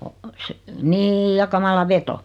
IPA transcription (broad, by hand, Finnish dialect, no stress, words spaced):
o se niːj jɑ kɑmɑlɑ ʋeto